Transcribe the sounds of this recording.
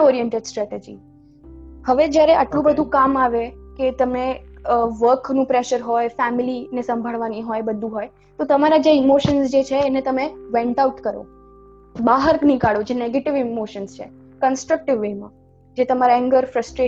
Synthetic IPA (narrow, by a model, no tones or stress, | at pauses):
ɔɾijɛɳʈeɖsʈɾɛʈed͡ʒḭ | həʋed͡ʒjaɾeʔa̰ʈlũbəd̪ʱũkamaʋeket̪əmeʋəɾknũpɾeʃəɾɦojfɛmilinesə̃mbʱəɭʋaniɦojbəd̪ʱːũɦoj | t̪ot̪əmaɾad͡ʒeɪmoʃənsd͡ʒet͡ʃʰeːnet̪əmeʋɛ̃ɳʈauʈkəɾo̰ | baɦəɾknikaɭod͡ʒeneɡeʈɪʋɪmoʃənst͡ʃʰḛ | kənsʈɾək̚ʈɪʋːemã̰ | d͡ʒet̪əmaɾaɛ̃ŋɡəɾfɾəsʈɾe